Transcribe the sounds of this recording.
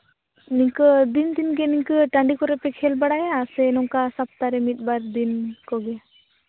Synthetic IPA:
niɲkɯd̪ind̪inɡɛniɲkɯʈaɳɖikɔɾɛpɛkʰɛlbaɽajaasɛːnɔŋkasap̚t̪aɾɛmit̪̚ˀbaɾd̪inkɔɡɛ

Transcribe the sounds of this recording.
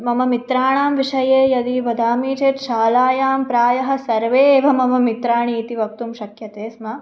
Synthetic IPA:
mɐmɐmit̪ɾaːɳaːmʋiʂɐjeːjɐd̪iːbɐd̪ʱaːmiːt͡ʃeːt̪ʃaːlaːjaːmpɾaːjɐɦɐ̆sɐɾʋeːʋɐmɐmɐmit̪ɾaːɳiːt̪iʋɐk̚t̪umʃɐkʰjɐt̪eːsmɐ

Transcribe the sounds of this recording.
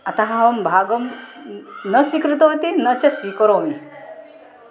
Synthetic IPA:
ɐt̪ɐɦaɦɐmbʱaːɡɐm | nɐsʋikɾut̪ɐɦot̪inɐt͡sesʋiːkɔɾoːmi

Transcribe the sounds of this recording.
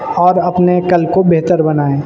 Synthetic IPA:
ɔːɾɐpnekəlkobeɦt̪əɾbɐnaːẽː

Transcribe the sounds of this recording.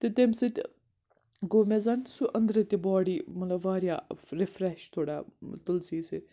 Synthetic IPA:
t̪et̪emsit̪ʲ | ɡoːmezɐnsuʔɐnd̪ɾɐt̪ʲibaːɽiːmɐlɐʋaːɾjaːɾifɾeʃt̪ʰoːɽaːt̪ulsiːsi

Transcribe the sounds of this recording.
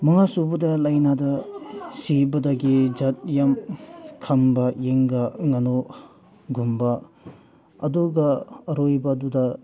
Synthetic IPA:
mɐŋasubɐdɐlɐjnadɐsibɐdɐɡid͡ʒɐt̚jamkʰɐmbɐjeŋɡɐŋɐno | ɡumbɐ | ɐduɡɐɐɾojbɐdudɐ

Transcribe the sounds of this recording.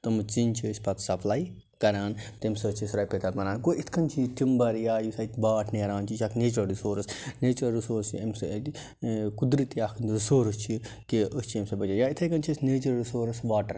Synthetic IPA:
t̪ɐmt͡sint͡ʃʰisʲpɐt̪sɐpʰlaːj | kɐɾaːnt̪imsɐt͡ʃʰisɾaːjpet̪ɐlmɐnaːnkoːʔit̪ʰkɐnt͡ʃʰiʈimbɐɾjaːjisait̪baːʈʰneːɾaːnt͡ʃʰit͡ʃʰɐkʰneːt͡ʃɐɾɾisoːɾsneːt͡ʃɐɾɾisoːɾsɐms | kud̪ɾit̪akʰnɾisoːɾɨst͡ʃʰikiʔəst͡ʃʰiemsɐbɐt͡ʃɐjait̪ʰɐjkɐnt͡ʃʰisʲneːt͡ʃɐɾɾisoːɾɐsʋaːʈɐɾ

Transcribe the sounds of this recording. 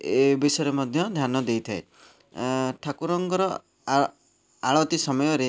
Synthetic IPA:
ebisɔɾemɔd̪ʱjɔd̪ʱjanɔd̪ejt̪ʰae | ʈʰakuɾɔŋɡɔɾɔ | aɭɔt̪isɔmɔjɔɾe

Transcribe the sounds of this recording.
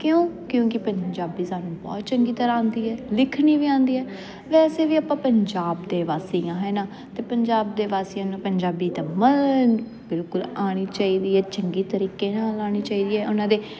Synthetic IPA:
kjõːkjõːkɪpəɲd͡ʒaːbiːsaːnũːbɔ̰ːt̪̚t͡ʃəŋɡiːt̪əɾaãːnd̪iːɦɛːlɪkʰniːʋiːãːnd̪iːɦɛː | ʋɛːseːʋiːapãːpəɲd͡ʒaːbd̪eːʋaːsejãːɦɛːnaː | t̪eːpəɲd͡ʒaːbd̪eːʋaːseːãːnãpəɲd͡ʒaːbiːt̪ãːməln | bɪlkʊlaːɽ̃iːt͡ʃaːiːd̪iːɦɛːt͡ʃəŋɡiːt̪əɾiːkeːnaːlaːɽ̃iːt͡ʃaːiːd̪iːɛːʔʊnãːd̪eː

